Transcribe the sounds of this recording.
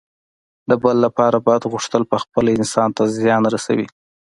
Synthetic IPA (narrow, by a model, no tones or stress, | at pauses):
d̪əbəlːapɑɾabɑjad̪ɣuʂt̪əlpəxpəlɪnsɑnt̪azjɑnɾasa̰wḭ